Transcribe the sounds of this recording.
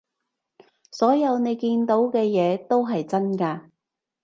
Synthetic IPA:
sɔː˨˥jɐ˨˧wne˨˧jkiː˧nt̪o˨˥wkɛː˧jɛː˨˧t̪o˥wɦɐ˨jt͡sɐ˥nkaː˧

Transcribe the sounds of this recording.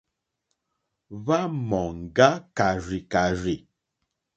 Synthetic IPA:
βa˦mɔ˨ŋ̩˨ɡa˦ka˨ɾi˨ka˨ɾi˨

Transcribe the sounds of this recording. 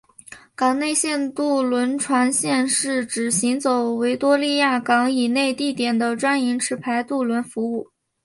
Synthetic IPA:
kɑ˨˩ŋne˥˧ɪɕjɛ˥˧nt̪u˥˩lwə˧˥nʈ͡ʂʰwa˧˥nɕjɛ˥˧nʂɻ̩˥˩ʈ͡ʂɻ̩˨˩ɕi˧˥ŋt͡so˨˩ʊwe˧˥ɪt̪wɔ˥li˥˧ja˥˩kɑ˧˥ŋi˨˩ne˥˧ɪt̪i˥˩t̪jɛ˨˩nd̪ə˦ʈ͡ʂwa˥ni˧˥ŋʈ͡ʂʰɻ̩˧˥pʰa˧˥ɪt̪u˥˩lwə˧˥nfu˧˥u˥˩

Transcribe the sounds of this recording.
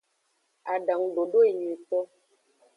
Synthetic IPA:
a˨ɖa˨ŋɖo˨ɖo˦e˨ɲe˨tɔ˦

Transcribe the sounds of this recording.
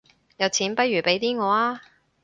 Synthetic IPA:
jɐ˨˧wt͡sʰiː˨˥npɐ˥jyː˨˩pe˨˥jt̪iː˥ŋɔː˨˧aː˥

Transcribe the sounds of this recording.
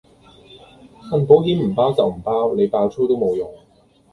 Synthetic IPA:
fɐ˧˩npo˨˥wɦiː˥mm̩˨˩paː˥wt͡sɐ˨wm̩˨˩paː˥wne˨˧jpaː˧wt͡sʰuː˥t̪o˥wmo˨˧wjʊ˨˩ŋ

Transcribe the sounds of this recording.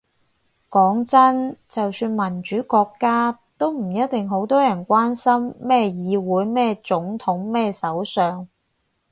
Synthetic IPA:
kɔː˨˥ŋt͡sɐ˥nt͡sɐ˨wsyː˧nmɐ˨˩nt͡ʃyː˨˥kɔː˧kːaː˥t̪o˥wm̩˨˩jɐ˥t̚t̪ɪ˨ŋɦo˨˥wt̪ɔː˥jɐ˨˩nkʷaː˥nsɐ˥mːɛː˥˩jiː˨˧wuː˨˥jmɛː˥t͡sʊ˨˥ŋt̪ʰʊ˨˥ŋmɛː˥sɐ˨˥wsœː˨ŋ

